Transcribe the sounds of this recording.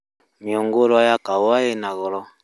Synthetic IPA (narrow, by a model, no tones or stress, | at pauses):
mjɔŋɡoɾwajakaajɛnaɣɔlɔ